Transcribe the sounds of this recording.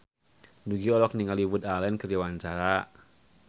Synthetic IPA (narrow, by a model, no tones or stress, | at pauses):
duɡiɔlɔkniŋaliwʊt̪alɛnkəɾjawaɲt͡ʃaɾa